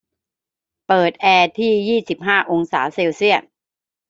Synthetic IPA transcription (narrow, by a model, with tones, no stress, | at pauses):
pɤː˨˩t̪̚ʔɛː˧t̪ʰiː˥˩jiː˥˩si˨˩p̚ɦaː˥˩ʔo˧ŋsa̰ː˩˦se˧wsi˥˩ət̪̚